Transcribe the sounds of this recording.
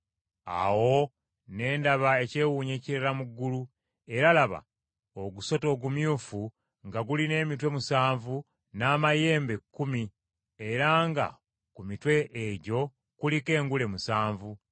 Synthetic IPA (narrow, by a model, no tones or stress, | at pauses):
a̰wo̞ | ne̞ːndaβae̞ce̞ːwuɲeːciɾelamuɡːulu | e̞ɾalaβa̰ | oɡuso̞to̞ːɡumjuːfu | ŋɡaɡuline̞ːmitwe̞musaːɱvu | naːmaje̞ːmbe̞kːumi | eɾaŋɡa̰ | kumitwe̞ʔːɟo̞ | kulike̞ːŋɡule̞musaːɱvu